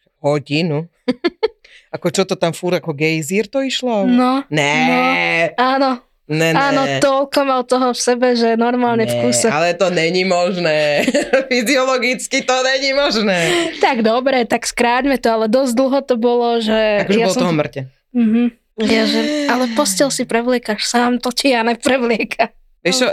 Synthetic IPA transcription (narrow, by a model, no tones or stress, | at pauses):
ɦɔɟinu | akɔt͡ʃɔt̪ɔt̪amfuɾakɔɡɛjziːɾt̪ɔiʃlɔnɔnɛnɔaːnɔ | ɲɛaːnɔɔlkɔmalt̪ɔɦɔfsɛbɛʒɛnɔɾmaːlɲɛfkuːsɛalɛt̪ɔɲɛɲimɔʒnɛːfiziɔlɔɡit͡skit̪ɔɲɛɲimɔʒnɛːt̪aɡd̪ɔbɾɛt̪akskɾaːɟmɛt̪ɔalɛd̪ɔzɟd̪l̩ˠɦɔt̪ɔbɔlɔʒɛakɔʒɛbaɔlsɔt̪ɔɦɔmr̩cɛ | m̩ɦm̩ | aʒɛalɛpɔscɛlsipɾɛʋlɪɛkaʃsaːmt̪ɔcianɛpɾɛʋlɪɛkʰa | ʋɛʃt͡ʃɔ